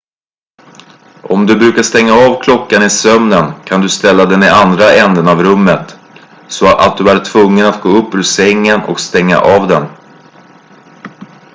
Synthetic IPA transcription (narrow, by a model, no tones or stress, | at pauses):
ʔɔmd̪ɵbɾʉ̟ːkaʂt̪ɛŋːaɑːvkʰlɔkːanɪsœmnənkʰand̪ɵst̪ɛlːad̪ɛnɪʔand̪ɾaʔɛnd̪ənavɾɵmːət̪ | sɔʔa̰t̪̚d̪ɵæɾʈʰvɵŋːənat̪̚ɡoːɵpːɵsɛŋːənɔ̰kst̪ɛŋːa̰ʔavd̪ɛn